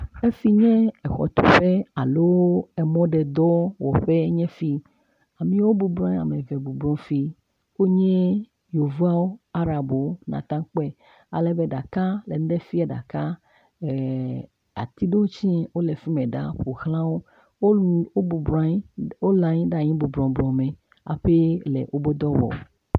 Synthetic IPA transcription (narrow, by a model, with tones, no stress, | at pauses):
e˦fi˦ɲɛ̃˦ɛ˨xɔ̰˨t̪ṵ˨ɸe˦a˨lo˦wo˦ɛ˨mɔ̃˦ɖɛ˨d̪ɔ˦wɔ˨ɸe˦ɲɛ̃˦fi˦ | a˨mĩ˦wo˦bu˨blɔ̃˦ɲ˦a̰˨me˨vɛ˨bu˨blɔ̃˦fi˦ | wo˦ɲɛ̃˦ | jo˨vu˦a˦wo˦a˦ɾa˨bo˨o˦nã̰˨t̪ã˦k͡pɛ˦ | a̰˨lɛ˦be˦ɖa˨ka˦le˨n˦ɖe˦fi˦a˨ɖa̰˨ka˦˨ | a̰˨t̪i˦ɖo˦wo˦t͡ɕi˦wo˦le˨fi˦mẽ˨ɖa̰˦ɸo˨xlã˦wo˦ | o˦˨˦o˦lã˨ɲĩ˦ɖa˦˨ɲĩ˦bu˨blɔ̃˨blɔ̃˨mẽ˨ | a̰˨ɸe˦lḛ˨ʔo˦bo˦d̪ɔ˦wɔ̰˨